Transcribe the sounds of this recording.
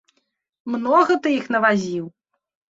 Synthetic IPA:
mnɔɣɐt̪ɨixnɐvazʲiw

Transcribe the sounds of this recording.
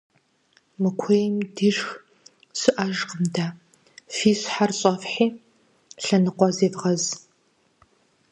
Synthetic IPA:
mɨkʷʰeːjmdiʒx | sɨʔɐʒqəmdaː | fiːsħarɕʼɐfħiː | ɬɐnɨqʷɔzeːvʁɐz

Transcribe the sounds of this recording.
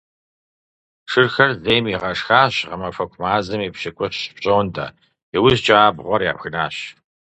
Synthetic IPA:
ʂɨrxɐrzeːjmiʁɐʂxaːɕʁɐmɐfɐkʷʰmaːzɐmiːpɕɪkʷʼɔɕɕpɕʼownda̰ː | ɛwʊzt͡ʃʼaːbʁʷɔrja̰ːpxɨnaːɕ

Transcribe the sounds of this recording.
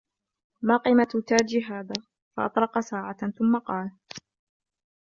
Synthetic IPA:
maːqiːmat̪t̪aːd͡ʒiɦaːðaː | fɑʔɑ̰t̪ˤɾˤɑqɑsaːʕaθʊmːɑqɑːl

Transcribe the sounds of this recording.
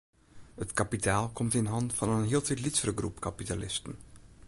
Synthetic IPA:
ətkapitʰaːlˠkɔmtɪnɦɑntfɑnənɦiəlˠtitlitsəɾəɡrṵpkapitalɪstən

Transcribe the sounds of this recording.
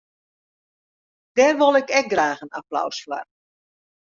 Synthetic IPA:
d̥ɛrʋolˠɪkɛk̚ɡraːxəna̰plɔ̰wsfla̰r

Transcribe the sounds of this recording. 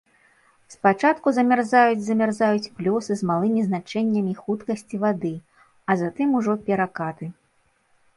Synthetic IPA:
spat͡ʂat̪kuzɐmʲɛrzajud͡zʲzɐmʲɛrzajut͡sʲplʲɔsɨzmalˠɨmʲiznat͡ʂɛnʲːɐmʲixut̪kɐsʲt͡sʲivad̪ɨ | ɐzat̪ɨmuʐɔpʲɛɾakat̪ɨ

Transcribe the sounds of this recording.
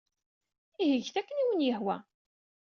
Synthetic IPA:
iɦəʝθækːəniwənjəhwæ

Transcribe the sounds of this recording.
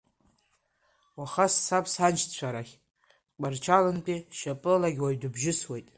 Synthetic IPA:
waχasːapʰsant͡ʃt͡ɕʷʰaɾaχʲ | k͡part͡ʃʰalɨnpʼiʃapʼɨllaɡʲwajdɨbʒɪswejtʼ

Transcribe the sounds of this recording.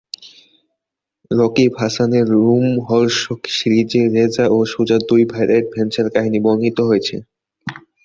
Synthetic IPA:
ɾɔkibʱaʃaneɾːumɦɔɾʃokʃɾid͡ʑeɾed͡ʑaʔoʃud͡ʑad̪ujbʱajɾeɾ̚bʱent͡ɕaɾkaɦiniboŋɡit̪oɦojet͡ɕʰḛ

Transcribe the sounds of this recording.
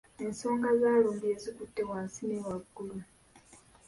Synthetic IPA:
e̞nso̞ːŋɡazaːluːnbiezikutːe̞waːnsinewaɡːulu

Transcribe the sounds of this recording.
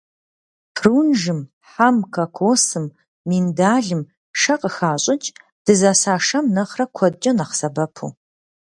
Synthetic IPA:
pʰruːnʒɨm | ħamkʰɐkʷʰoːsɨmː | indaːɮɨm | ʃɐqʼəxaːɕʼɪt͡ʃʼ | d̥ɨzaːsaːʂɐmnɐχrɐkʷʰɔd̚d͡ʒʼɐnɐχsɐbɐpʰṵ

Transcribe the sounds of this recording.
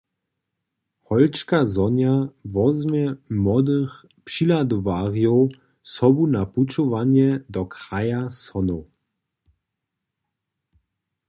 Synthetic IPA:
hɔlt͡ʃkazɔnjavɔzmɛmɔd̪əx | pʃilad̪ɔvaːʁjɔw | sɔbunaput͡ʃɔvanjɛd̪ɔkʁajasɔno

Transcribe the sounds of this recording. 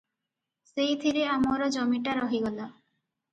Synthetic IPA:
sejt̪ʰiɾeamɔɾɔd͡ʒɔmiʈaɾɔɦiɡɔla

